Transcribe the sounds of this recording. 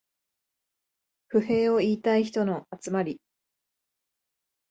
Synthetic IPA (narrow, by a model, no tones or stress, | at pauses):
ɸɯ̟he̞ːo̞iːt̪aiçi̥t̪o̞no̞at͡sɨmaɾʲi